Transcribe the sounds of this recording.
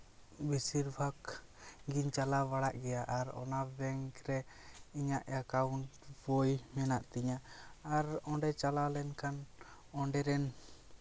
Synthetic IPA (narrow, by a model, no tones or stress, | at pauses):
bisiɾbʱakɡiɲt͡ʃalabaɽaʔɡɛjaʔaɾɔ̰nabɛŋkɾɛiɲaʔakauɳʈbɔjmɛnaʔt̪iɲaːɾɔɳɖɛt͡ʃalalɛnkʰan | ɔɳɖɛɾɛn